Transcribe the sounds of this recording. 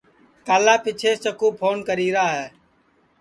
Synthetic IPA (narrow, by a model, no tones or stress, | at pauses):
kaːlaːpɪt͡ʃʰeːt͡ʃəkuːpʰoːnkəɾiːɾaːɦɛː